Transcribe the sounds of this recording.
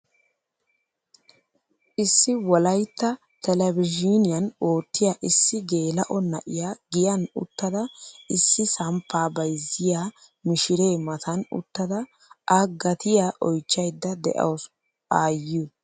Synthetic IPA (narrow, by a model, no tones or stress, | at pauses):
ʔɪsːɪwɔlɐjt̪ːɐ | t̪ɛlɛbɪd͡ʒinɪjɐnoːt̪ːɪjaʔɪsːɪɡe̞ːlɐʔɔnɐ̰ʔɪjaːɡɪjɐnʊ̰t̪ːɐd̪ɐɪsːɪsɐmpːaːbɐjzːɪjaː | mɪʃɪɾe̞ːmɐt̪ʰɐnʊ̰t̪ːɐd̪ɐ | ʔaɡɐt̪ɪjaːʔɔjt͡ʃːɐjd̪ːɐd̪ɛ̰ʔɐ̰ws | aːju